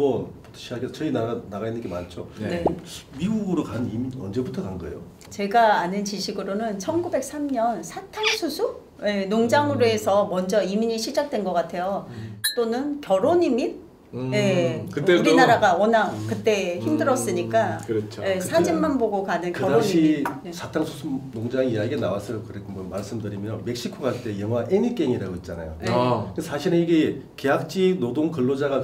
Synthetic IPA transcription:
bʌnpot͈ɯ̥ɕʰiaɡet͡ɕʌinaanaɡainːɯnɡema̰nt͡ɕʰonemiɡuɡɯɾokanɯniminʌ̰nd͡ʑe̞butʰʌkaŋɡa̰ḛjo̰ | t͡ɕe̞ɡaanɯnt͡ɕiɕʰiɡɯɾonɯnt͡ɕʰʌnɡube̞k̚s͈amɲʌnsʰatʰaɭsʰusʰu | je̞noŋd͡ʑaŋɯɾoe̞sʰʌmʌnd͡ʑʌimiɲiɕʰid͡ʑak̚t͈we̞nɡʌk͈atʰe̞jot͈onɯnkjʌɾoɲimin | je̞kɯeuɾinaɾaɡaʌnak̚kɯt͈e̞çimdɯɾʌs͈ɯɲik͈akɯɾt͡ɕʰoje̞sʰad͡ʑimmːanboɡokanɯnkʌɾaoiesʰatʰaŋsʰusʰumnoŋd͡ʑaŋiiaɡenawas͈ʌjokɯɾekʰmʌmaɭs͈ɯmdɯɾimjʌnme̞k̚ɕ͈ikʰoɡaɭt͈e̞jʌŋɦwaʔeɲik͈eŋiɾaɡoit̚t͡ɕ͈ana̰jo̰esʰaɕʰiɾɯniɡe | ke̞ɦak̚t͡ɕ͈inodoŋkɯɭːod͡ʑaɡa

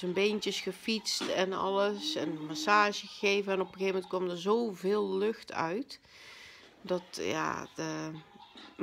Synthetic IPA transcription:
ənbejntjəsxəfitstɛnɔ̰ləsɛnmasaːʒəɣəɣeːvənɛnɔpxeːvmɛntkɔmdərzowvɪːlˠːøxtʰœ̰ɥt | dɔtja̰ə

